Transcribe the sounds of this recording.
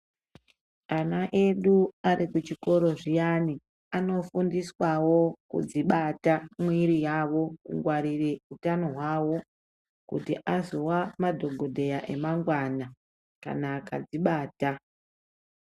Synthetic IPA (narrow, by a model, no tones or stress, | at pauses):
anaʔe̞ɗuaɾikut͡ʃiko̞ɾo̞ʐijani | ano̞fundiswawo̞kṵd͡ziɓatamwiɾijawo̞kṵŋɡwaɾireutano̞ɦwawo̞ | kṵtiʔazo̞wamadʱo̞ɡʱo̞dʱe̞jaʔe̞maŋɡwana | ka̰naːka̰d͡ziɓaːta